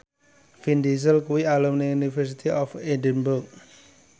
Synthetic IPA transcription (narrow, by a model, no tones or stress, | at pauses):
findis̬əlkuwialɔmniunifɛɾsit̪iʔɔfedənbuk̚